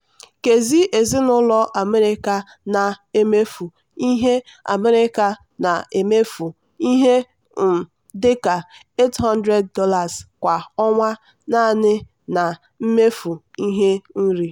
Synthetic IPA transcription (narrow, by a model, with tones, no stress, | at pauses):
ke˨zi˦ʔe˨zi˦nʊ˦lɔ˦ʔa˨me˦ɾɪ˦ka˨ | na˨e˦me˦fu˨ | i˦ɦe˦a̰˨me˦ɾɪ˦ka˨ | na˨ʔe˨me˦fu˨ | i˦ɦe˦˨ | dɪ˦ka˨ | e˦tɦɔ˦n˦dɾe˦d̚ːɔ˦la˨z̥kʷa˨ɔ˦ŋʷa˦ | na˦˨nɪ˦ | na˨ | m̩˦me˦fu˨i˦ɦe˦n̩˦ɾi˦